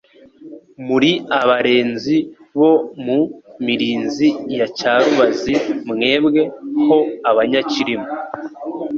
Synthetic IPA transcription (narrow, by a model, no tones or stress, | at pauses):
muɾiaβaɾe̞ːnzi | βo̞mumiɾiːnzijacaːɾuβazimŋe̞ːbɡe̞ho̞aβaɲaciɾimo